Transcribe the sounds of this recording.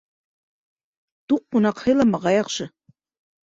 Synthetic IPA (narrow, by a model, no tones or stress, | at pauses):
t̪uqːunɑqhɤ̆lˠɑmɑʁɑjɑqʃɤ̆